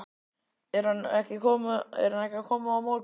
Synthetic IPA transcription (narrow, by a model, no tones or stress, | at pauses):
ɛɾhanɛhcɪkʰɔːmʏɛ̰ɾhanɛhcakʰɔːmʏawmow